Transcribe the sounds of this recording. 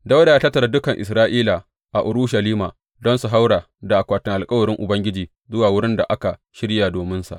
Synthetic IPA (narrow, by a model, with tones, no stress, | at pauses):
da˦wda˨jaː˦tɐ˦tːɐ˨ɾa˦dʊ˦kɐ˨ŋʔɪ̰˨sɾaː˦ʔiː˦la˨ | ʔa˨ʔʊ˨ɾuː˦ʃa˨liː˦maː˨ | dɔ˦nsu˨ɦa˦wɽaː˨ | da˨ʔa˨kʷaː˨tɪ˨ŋʔa˨lkʼɐ˦wɐ˨ɾɪ˦ŋʔʊ˨bɐ˦ŋɡʲɪ˦d͡ʒiː˨ | zʊ˦waː˨wʊ˦ɽɪ˦nda̰˨ʔa˦ka˨ | ʃɪ˦ɽjaː˨doː˨mɪ˦nsa̰˨ʔ